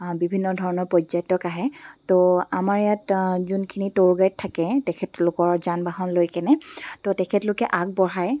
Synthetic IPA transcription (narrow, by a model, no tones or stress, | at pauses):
bibʱinːɔdʱɔɹɔnɔɹpɔzɔjtɔkaɦɛtoamaɹɛjatzunkʰinitoɹɡajttʰːakɛtɛkʰɛtlʊkɔɹzanbaɦɔnlojkɛnɛtotɛkʰɛtlʊkɛʔak̚bɔɹaj